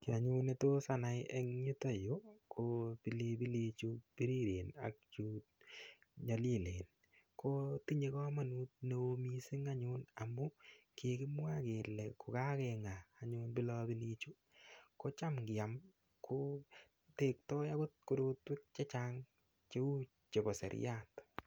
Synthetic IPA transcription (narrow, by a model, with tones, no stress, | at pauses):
ki˨a˨ɲune˦to˦sana˨jɛ˦ŋɲu˦to˦jo˦kʰo˦pi˨le˧bi˦li˧t͡ʃu˦pi˦ɾi˦ɾe˨na̰˨k̚t͡ʃuː˦t̚ | ɲɔ˨le˦˨leː˨n | kʰo˦ti˦ɲe˨kɔ˦ma˨nu˦t̚ne˨o˧misi˦ŋaɲʊna˨mʊ˦ke˨kɪ˦mwa˦ke˨lɛ˨kʊ˨ka˦kɛŋaː˨ɲʊnbɪ˦lɔ˦bi˦liː˦t͡ʃu˦ | ko˦t͡ʃa˦mkɪ˨a˨m | kʰo˦ | te˨k̚tɔ˦ja˦ko˦t̚ko˦do˦twɪ˦t̚t͡ʃe˦t͡ʃaŋ | t͡ʃe˦u˦ | t͡ʃe˨kɔ˨sɛ̰˨ɾ̰jat